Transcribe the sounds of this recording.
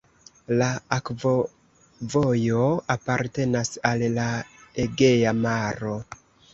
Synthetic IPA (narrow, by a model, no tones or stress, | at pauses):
laakvo | vojo̞apaɾte̞nasallaeɡe̞jamaɾo̞